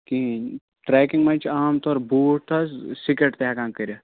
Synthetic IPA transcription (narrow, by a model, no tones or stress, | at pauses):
ki | ʈɾɛːkiŋɡmɐnt͡ʃʰaːmt̪ɔːɾbuːʈ̚t̪ʰɐssikeʈt̪eaːkãːŋkəɾʲa